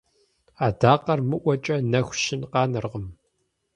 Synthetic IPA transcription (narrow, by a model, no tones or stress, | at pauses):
aːdaːqɐrmɨʔʷɔt͡ʃʼɐnɐxʷʃɪnqɑːnɨrʁəm